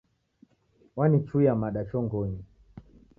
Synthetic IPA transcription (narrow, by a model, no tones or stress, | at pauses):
wanit͡ʃujamaɗat͡ʃɔŋɡɔɲi